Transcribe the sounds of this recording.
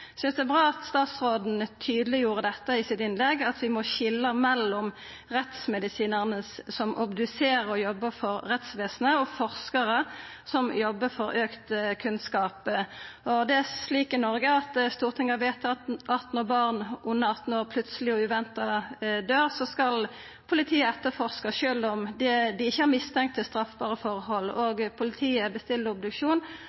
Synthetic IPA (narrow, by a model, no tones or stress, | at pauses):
sʉnsd̪ɛbʁɑːɑt̪st̪ɑːt̪sʁoːd̪n̩t̪ʰyːd̪əlɪjuːʁəd̪ɛt̪ːəɪsɪt̪ɪnlɛɡɑt̪ʋɪmɔɕɪlːəmɛlːɔm | ʁɛt̪smɛd̪ɪsiːnəʁnəssɔmʔɑbd̪ʉseːɾəɾɔjɔbːəfɔɾʁɛt̪sʋeːsənəɔfɔʁskɑʁəsɔmjɔbːəfɔɾøːkt̪kʰʉnskɑːp | ɔd̪ɛæsliːkɪnɔɾɡəɑt̪st̪uːʁt̪ʰɪŋːɑʋeːt̪ɑt̪ʔɑt̪nɔbɑʁnʔʊnːəɑt̪n̩oːʁpʰlʉt̪səlɪɔʉʋɛnt̪ɑd̪øːʁsɔskɑl | pʰʊlɪt̪ʰiːəɛt̪ːəfɔʁskɑʃøːld̪ɔmd̪ɛd̪ɪɪçːəhɑɾmɪst̪ʰɛŋkt̪ʰːɪlst̪ɾɑfbɑːʁəfɔʁhɔlːoːɡpʰʊlɪt̪ʰiːəbəst̪ɪlːəɾɔb̚d̪ʉkʂuːn